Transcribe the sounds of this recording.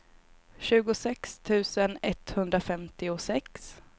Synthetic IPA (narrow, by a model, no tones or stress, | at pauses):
ɕʉ̟ːɡʊsɛkst̪ʰʉ̟ːsənɛt̪hɵnd̪ɾafɛmt̪ɪʊsɛks